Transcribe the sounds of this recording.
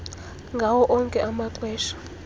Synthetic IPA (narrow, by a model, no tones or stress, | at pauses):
ŋɡʱawɔʔɔŋkʼɛʔamaǃwɛːʃḁ